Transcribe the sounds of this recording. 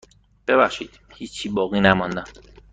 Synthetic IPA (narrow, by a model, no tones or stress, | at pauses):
b̥eβæχʃiːd̪̥ | hiːt͡ʃt͡ʃʰiːbɒːɣiːnæmɒnd̪æm